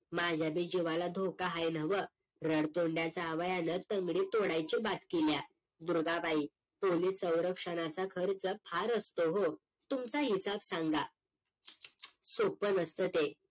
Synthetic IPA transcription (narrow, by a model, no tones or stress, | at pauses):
mad͡ʑʱjabiːd͡ʑiʋalad̪ʱokaɦajnəʋə | ɾəɽt̪oɳɖjat͡saːʋajanət̪əŋɡɽiːt̪oɽajt͡ɕibat̪kelja | d̪uɾɡapai | poliːsːə̃w̃ɾəkʂəñat͡sakʰəɾt͡səpʰaɾəst̪oɦo | t̪umt͡saɦisabsaŋɡa | sopənəst̪ət̪e